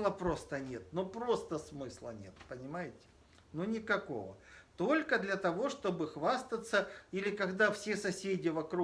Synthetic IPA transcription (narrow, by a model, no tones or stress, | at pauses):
lˠəpɾo̞st̪ənʲe̞t̪̚nopɾo̞st̪əsmɨslˠə̰nʲe̞t̪̚pənʲɪmajɪtʲɪ̥ | nunʲɪkɐko̞̰və̰t̪o̞lʲkəd̪lʲɐt̪ɐvo̞ʂt̪o̞bɨxvast̪ət̪səilʲɪkɐɡd̪afsʲesɐsʲedʲɪvɐkɾu